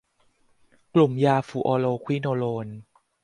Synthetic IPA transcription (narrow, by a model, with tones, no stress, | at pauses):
klu˨˩mjaː˧fuː˨˩ʔɔː˧loː˧kʰwi˦˥˩noː˧loː˧n